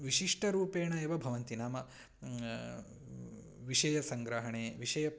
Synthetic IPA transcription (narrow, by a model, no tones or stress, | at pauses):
ʋiʃiʂʈɐɾuːpeːɳɐeʋɐbʱɐʋɐnt̪inaːmɐ | ʋiʃɐjɐsɐŋɡɾɐɦɐɳeːʋiʃɐjɐ